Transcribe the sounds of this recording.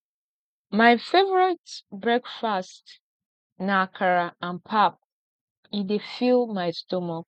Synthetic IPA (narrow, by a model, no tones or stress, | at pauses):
majfevəɹitbɹɛkfast | nakʰaɹaãnpʰap̚ | idefilmajstomak̚